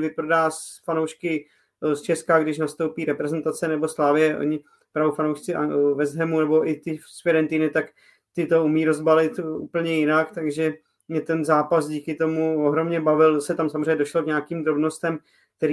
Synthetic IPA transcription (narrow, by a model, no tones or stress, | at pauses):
vɪpɾodaːsfanowʃkɪ | st͡ʃɛskaɡdɪʃnast̪owpiːɾɛpɾɛzɛnt̪at͡sɛnɛbo̞slaːvɪjɛʔo̰ɲɪ | pɾaofanowʃt͡sɪavɛzɦɛmunɛbo̞ʔɪt̪ɪsfɛɾɛnt̪inɪt̪ak | t̪ɪt̪o̞umiːɾo̞zbalɪt̪ṵːpl̩ɲɛjɪnakt̪aɡʒɛ | mɲɛt̪ɛnzaːpasɟiːkɪt̪o̞muoɦɾo̞mɲɛbavɪlsɛt̪amsamozriɛɲɛdo̞ʃlokɲaakiːmd̪ɾo̞bno̞st̪ɛm | k̚t̪ɛɾi